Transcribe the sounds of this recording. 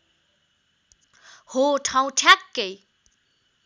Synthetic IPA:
hoʈʰãw̃ʈʰjakːej

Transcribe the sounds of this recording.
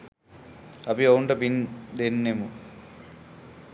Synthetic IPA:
ɐpioɳɖɐpind̪enːemu

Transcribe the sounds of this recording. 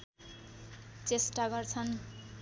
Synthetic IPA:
t͡sesʈaɡʌrt͡sʰʌn

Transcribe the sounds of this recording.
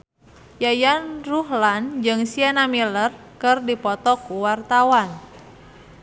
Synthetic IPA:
jajanruhland͡ʒɨŋsianamilər | kɨrdipɔt̪ɔkuwart̪awan

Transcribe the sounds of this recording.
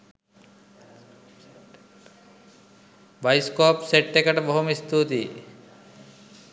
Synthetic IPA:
bɐjskoːpseʈːekɐʈbɔɦumist̪ut̪i

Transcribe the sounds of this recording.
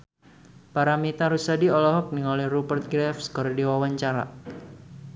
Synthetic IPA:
paɾamit̪aɾusadiɔlɔɦɔk̚niŋɔlɛhrubərt̪̚ɡɾɛfskɔɾdiwawaɲt͡ʃaɾa̰

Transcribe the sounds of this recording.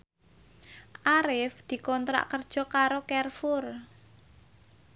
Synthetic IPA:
ʔaɾɪfd̪̥i̤kɔnt̪ɾa̰ʔkərd̥ʒ̥ɔ̤kaɾokɛrfʊr

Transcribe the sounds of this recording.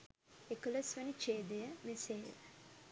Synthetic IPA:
ekələsʋənit͡ʃeːd̪ejəmesḛː

